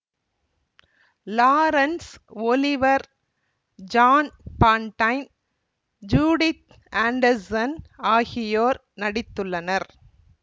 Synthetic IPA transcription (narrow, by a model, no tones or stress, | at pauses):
laːɾɐnsɔlɪʋɐɾ | d͡ʒaːnpaːɳʈɐɪn | d͡ʒuːɽɪt̪ | ʔaːɳɖɐɾsɐnaːɣɪjoːɾ | nɐɽɪt̪ːɯɭːɐnɐɾ